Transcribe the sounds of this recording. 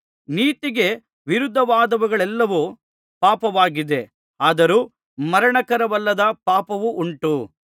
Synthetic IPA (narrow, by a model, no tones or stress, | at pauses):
niːt̪iɡe̞ | ʋiɾud̪ʱːɐʋaːd̪ɐʋuɡɐɭɛlːɐʋu | paːpɐʋaːɡid̪e̞ | aːd̪ɐɾuː | mɐɾɐɳɐkɐɾɐʋɐlːɐd̪ɐpaːpɐʋuʔuɳʈu